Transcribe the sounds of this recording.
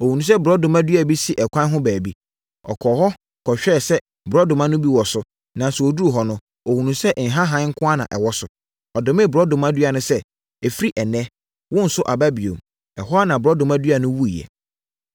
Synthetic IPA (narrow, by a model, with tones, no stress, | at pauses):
o˨hu˨nũ˨s̬ɛ˦bɾɔ˦dʊ̃˨ma˦dɥa˨bi˦si˦ʔɛ˨kʰʷã˦n˦ɦʊ̃˦bæː˨bi˦ | ɔ̰˨kʰɔ˨ɦɔ˦ | kʰɔ˨ɕᶣɛː˦˨sɛ˦ | bɾɔ˦dʊ˨mã˦nʊ̃˦bi˦wɔ˨sʊ˦ | nã˨sɛ˨o˨du˦o˨ɦɔ˦nʊ̃˦ | o˨hũ˨nũ˨sɛ˦ʔn̩˨ɦã˦ɦã˨˦ŋ̩˦kʰʊ̃˦a˦nã̰˨ʔɛ̰˨wɔ˦sʊ˨ | ɔ˨dʊ˨mɪ̃˦˨bɾɔ˦dʊ̃˨mã˦dɥa˨nʊ̃˦sɛ˦ | ɛ˨fi˦ɾi˦ʔɛ˨nɛ̃˦ | wʊ̃˦n̩˨sʊ˦ʔa˨ba˦bi˨o̰˨m | ɛ˨ɦɔ˦a˦nã˨bɾɔ˦dʊ̃˨ma˦dɥa˨nʊ̃˦wu˦i˨jɛ̰˨